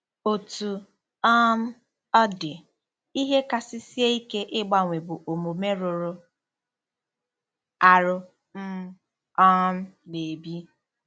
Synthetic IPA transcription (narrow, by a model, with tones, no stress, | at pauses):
o˨tu˨ | ɔ˦n̩˦ | ɔ˦dɪ˨ | i˦ɦe˦ka˨sɪ˦si˦e˦i˦ke˦ʔɪ˦ɡ͡ba˦ŋʷe˨bʊ˨ʔo˨mo˨me˦ɾʊ˨ɾʊ˦ | a˨ɾʊ˦ | m̩˦ | ɔ˦n̩˦ne˨bi˦